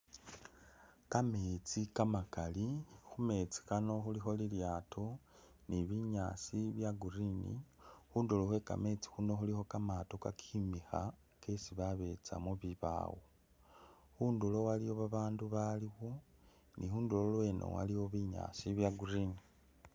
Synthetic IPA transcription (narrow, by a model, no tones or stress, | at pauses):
kameːt͡sikamakalixume̞t͡si̥kano̞xulixo̞liljatʰo | niβiɲaːsiβjaɡurinḭxuːndoloxwe̞ka̰me̞t͡si̥xuno̞xulixo̞kamatokakʰimixa̰ | ke̞siβaβe̞t͡sa̰muβiβa̰ːwo | xuːndulo̞waliwo̞βaβaːnduβaliɣo̞ | nʔihuːndololweːnʔo̰wa̰liwo̞βiɲa̰ːsiβjaɡurini